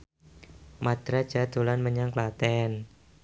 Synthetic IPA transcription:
mad̪̥ɾad̥d͡ʒ̥a̤d̪̥o̤lanməɲaŋklat̪ɛn

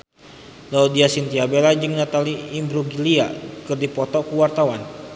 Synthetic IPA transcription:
laudiasint̪iabelad͡ʒəŋnat̪aliːmbɾuɡilia̰kɨrdipɔt̪ɔkuwart̪awan

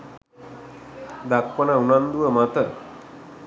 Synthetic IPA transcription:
d̪akpənaunand̪uʋəmat̪ə

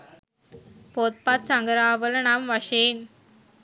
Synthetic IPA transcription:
pot̪̚pat̪̚saŋɡəɾaːʋəlɳamʋaɕen

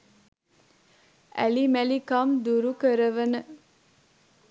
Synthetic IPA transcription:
æ̰limælikamd̪uɾukəɾəʋənə

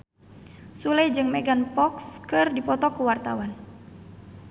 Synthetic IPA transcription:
sulɛjd͡ʒɨŋmɛɡanpɔkskɨrdipɔt̪ɔkuwart̪awan

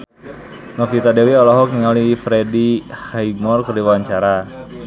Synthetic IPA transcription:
nɔfit̪adewiɔlɔɦɔk̚niŋalifɾedihajmɔrkərdiwawaɲt͡ʃaɾa

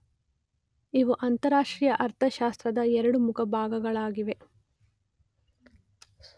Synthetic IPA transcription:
iʋuʔɐnt̪ɐɾaːʂʈɾiːjɐʔɐɾt̪ʰɐʃaːst̪ɾɐd̪ɐɛɾɐɽumukʰɐbʱaːɡɐɡɐɭaːɡiʋe̞

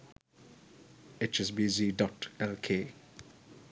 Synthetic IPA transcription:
et͡ʃɛs̬bizidɔtɛlkʰeː

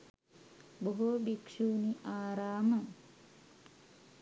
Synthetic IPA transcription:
boɦobikʂuːniʔaːɾaːməŋ

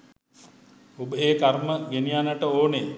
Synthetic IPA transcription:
obəeːkarməɡenijanəʈəoːne

